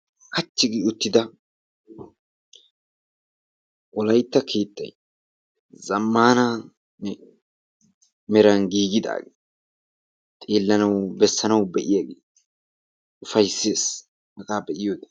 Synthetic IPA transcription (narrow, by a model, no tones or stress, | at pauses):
kɐt͡ʃːɪɡiʊt̪ːɪd̪ɐ | ʔɔlɐjt̪ːɐkʰeːt̪ʼːɐ̰j | zɐmːaːna | nɛ | mɛɾɐnɡiːɡɪd̪a̰ːɡe | t̪ʼeːlːɐnɐwbɛsːɐnɐwbɛʔɪjaɡeː | ʊfɐjsːe̞ːs | hɐkaːbɛʔɪjoːd̪ɐ̥